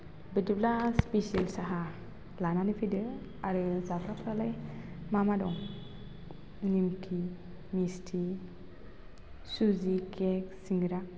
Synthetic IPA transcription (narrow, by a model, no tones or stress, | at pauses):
bediblaspiselsaɦa | lananipʰidɯ | aɾɯzakɾapʰɾalaj | mamadɔŋ | nimkʰi | mistʰi | suzikek̚siŋɡɾa